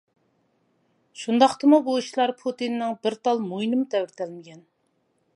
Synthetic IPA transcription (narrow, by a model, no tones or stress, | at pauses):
ʃund̪ɑχt̪ɨmubuiʃlˠɑɾpʰut̪inːɪŋbɪɾt̪ʰɑlˠmojnɨmut̪ʰɛwɾt̪ʰɛlmɪɡʲɛn